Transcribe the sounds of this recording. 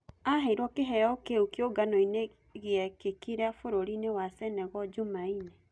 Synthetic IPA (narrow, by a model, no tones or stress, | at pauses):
aɦɛiɾwɔkeɦɛjɔkeukjoɡanoine | ɣeɛkekiɾafoɾoɾinewasɛnɛɣɔd͡ʒumaine